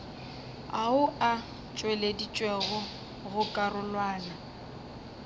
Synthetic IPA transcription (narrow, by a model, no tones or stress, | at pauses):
aʊa | t͡ʃʼweledit͡ʃʼweɣɔ | ɣʊkʼarʊlwaːna